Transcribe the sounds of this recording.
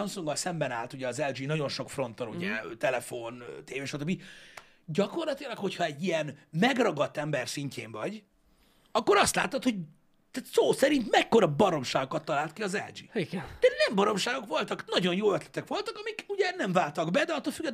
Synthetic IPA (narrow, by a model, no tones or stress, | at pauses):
ɒmsuŋɡɒlsɛmbɛna̰ːlt̪uɟɛɒzɛld͡ʒinɒɟo̞nʃo̞kfro̞nt̪oɾuɟɛ̰t̪ɛlɛfo̞nt̪eːveːʃɒt̪øbːi | ɟɒko̞rlɒt̪ilɒkho̞chɒɛɟːijɛnmɛɡrɒɡɒt̪ːɛmbɛrsiɲcʰḛːɱvɒɟ | ɒkːo̞ɾɒst̪la̰ːt̪ot̪hoɟ | t̪at̪soːsɛɾint̪mɛkːo̞ɾɒbɒɾo̞mʃaːɡokɒt̪ːɒlaːlt̪kiɒzɛ̰ld͡ʒḭːiɡɛnd̪̥ɛnɛmbɒɾo̞mʃaːɡo̞kʋo̞lt̪ɒknɒɟo̞njoːøt̪lɛ̥t̪ɛkʋo̞lt̪ɒkɒmikuɟɛnɛɱvaːlt̪ɒɡbɛd̪ɛɒt̪ːolfyɡːɛd̪